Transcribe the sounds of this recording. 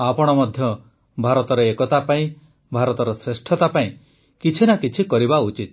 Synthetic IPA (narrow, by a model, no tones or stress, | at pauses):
apɔɽ̃ɔmɔd̪ʱjɔ | bʱaɾɔt̪ɔɾɔekɔt̪apaĩ | bʱaɾɔt̪ɔɾɔsɾesʈʰjɔt̪apaĩ | kit͡ʃʰinakit͡ʃʰikɔɾibaut͡ʃit̪